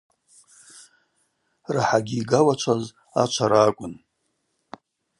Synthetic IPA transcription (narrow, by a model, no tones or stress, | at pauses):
raħaɡʲiːɡawat͡ʃʷʰaz | at͡ʃʷʰaɾaːkʷʼʊn